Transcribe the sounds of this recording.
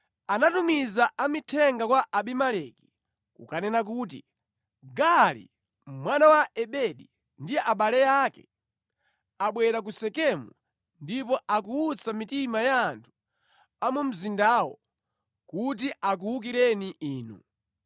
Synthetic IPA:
anatumizaʔamitʰɛŋɡakwaʔaɓimalɛki̥ | kukanɛnak̬uːt̬ḭ | ɡalḭ | mwanawaʔɛɓɛɗi | ndijɛʔaɓalɛjakɛ̰ | aɓwɛɾak̬usɛkɛmṵ | ndipɔʔakuut͡sʰamitimajaːntʰu̥ | amum̩zindaːwɔ̰ | kut̬iʔak̬uwuk̬iɾɛniʔiːnṵ

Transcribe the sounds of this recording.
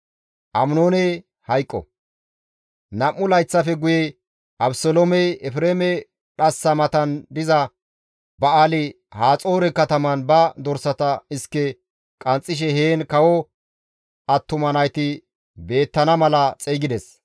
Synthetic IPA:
ʔɐmnoːnɛ | hɐjkʼːɔ̰ | nɐmːʊlɐjt͡sːɐfɛɡʊjɛ | ʔɐbsolomɛjɛfɾeːmɛ | ɗɐsːɐmɐt̪ɐnd̪ɪzɐ | bɐalɪ | haːt͡sʼo̞ːɾɛkɐt̪ɐmɐnbɐd̪ɔɾsɐt̪ɐɪskːɛ | kʼɐnt͡sʼːɪʃ̬ɛɦeːnkɐwɔ | ʔɐt̪ːʊmɐnɐjt̪ɪ | be̞ːt̪ːɐnɐmɐlɐt͡sʼejɡɪd̪ɛs

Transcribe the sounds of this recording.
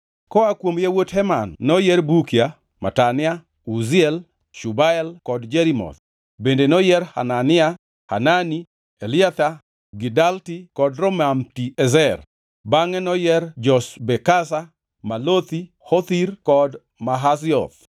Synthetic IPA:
kɔakwomjewothɛmanːɔjɛɾbukja | ma̰tanɪa | uzɪɛl | ʃubaɛlkɔdd͡ʒɛɾimɔ̰t̪ | bendenɔjɛɾha̰nanɪa | ha̰nani | elɪat̪a | ɡidaltikɔdɾɔmamtiɛzɛr | baŋɛnɔjɛrd͡ʒɔsbɛkasa | malot̪i | hɔt̪irkɔd | maɦas̬ɪɔ̰θ

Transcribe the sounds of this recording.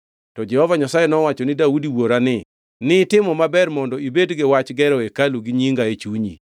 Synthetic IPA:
tɔd͡ʒɛhɔvaɲasajɛnɔwat͡ʃɔnɪdaudiwoɾanɪ | nɪtɪmɔmabɛrmɔndɔibedɡɪwat͡ʃɡɛɾɔekaluɡiɲiŋɡaet͡ʃuɲḭ

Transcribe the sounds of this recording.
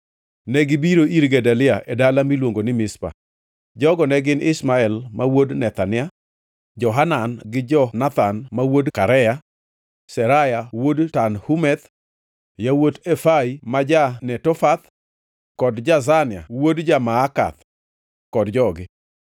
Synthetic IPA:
nɛɡɪbiɾoʔiɾɡɛdalɪaʔedalamilwoŋɡonɪmɪspa̰ | d͡ʒɔɡɔnɛɡɪnɪsmaɛlmawodnɛt̪anɪa | d͡ʒɔɦananɡɪd͡ʒɔnat̪anmawodkaɾɛja | sɛɾajawodtanhumɛt̪ | jawotefaimad͡ʒanɛtɔfat̪ | kɔdd͡ʒazanɪa̰wodd͡ʒamaːka̰t̪ | kɔdd͡ʒɔɡɪ

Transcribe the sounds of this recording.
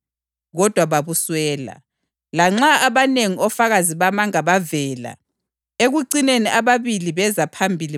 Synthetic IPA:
ɣɔd̥ʱwaβaβuswɛːla̰ | laŋ͡ǁaaβaneŋiʔɔfaɣaziβamaŋaβavɛːla̰ | eɣuǀineniʔaβaβiliβɛzapʰambʱili

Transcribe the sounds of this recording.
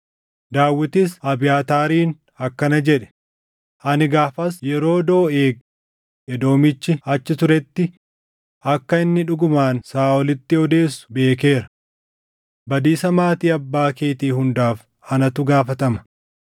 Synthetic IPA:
d̪aːwːɪt̪ɪsɐbɪjaːt̪aːɾiːn | ɐkːɐnɐd͡ʒɛᶑɛ̥ | ʔɐnɪɡaːfɐsjɛɾo̞ːd̪o̞ːeːɡ | ɛd̪o̞ːmɪt͡ʃːɪɐt͡ʃːɪt̪ʊɾɛt̪ːɪ | ɐkːɐɪnːɪᶑʊɡʊmaːnsaːɔlɪt̪ːɪɔd̪e̞ːsːʊ̥be̞ːk̬e̞ːɾɐ̥ | bɐd̪iːsɐmaːt̪iːɐbːaːkeːt̪iːhʊnd̪aːf | ɐnɐt̪ʊɡaːfɐt̪ɐmɐ̥

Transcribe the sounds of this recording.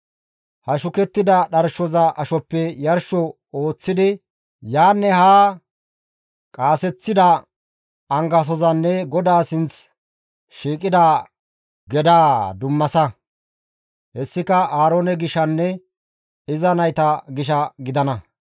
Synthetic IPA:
hɐʃʊkɛt̪ːɪd̪ɐɗɐɾʃɔzɐʔɐʃɔpːɛjɐɾʃɔ | o̞ːt͡sːɪd̪ɪ | jaːnːɛhaː | kʼaːsɛt͡sːɪd̪ɐ | ɐŋɡɐs̬ɔzɐnːɛɡɔd̪aːsɪnt͡s | ʃiːkʼɪd̪a | ɡɛd̪aːd̪ʊmːɐsɐ | hɛsːɪkɐʔaːɾoːnɛɡɪʃɐnːɛ | ɪzɐnɐjt̪ɐɡɪʃɐɡɪd̪ɐnɐ

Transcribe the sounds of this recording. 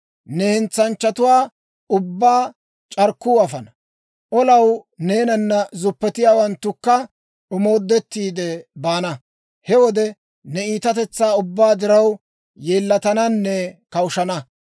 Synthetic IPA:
nɛhɛnt͡sːɐnt͡ʃːɐt̪ʊwaː | ʊbːaː | t͡ʃʼɐɾkːuːɐfɐnɐ | ʔɔlɐwneːnɐnːɐzʊpːɛt̪ɪjaːwɐnt̪ːʊkːɐ | ʊmo̞ːd̪ːɛt̪ːiːd̪ɛbaːnɐ | hɛwɔd̪ɛ | nɛiːt̪ɐt̪ɛt͡sːaːʊbːaːd̪ɪɾɐw | jeːlːɐt̪ɐnɐnːɛkɐwʊʃɐnɐ

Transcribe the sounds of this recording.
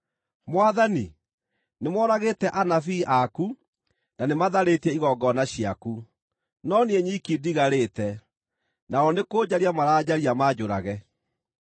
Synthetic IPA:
mwaðani | nemwɔɾaɣetɛʔanafiːʔaku | nanemaðaɾetɛiɣɔɡɔnaɕiaku | nɔnieɲikidiɣaɾeːtɛ | naɔnekoːd͡ʑaɾiamaɾad͡ʑaɾiamad͡ʒoɾa̰ɣɛ

